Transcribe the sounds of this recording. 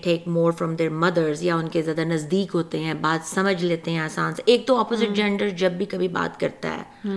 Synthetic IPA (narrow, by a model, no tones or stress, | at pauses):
ʈʰeːkmoːɾfɾɔ̃md̪eːɾmɐd̪əɾzjaʊnkezjaːd̪anɐzd̪iːkɦoːt̪eɦɛ̃baːt̪sɐməd͡ʒʱleːt̪eɦɛ̃aːsãːnseʔeːk̚t̪oɔːpozɪʈ̚d͡ʒɛ̃ɳɖəɾd͡ʒɐbːikɐbʱiba̰ːt̪kɐɾt̪a̰ɦɛ̰ː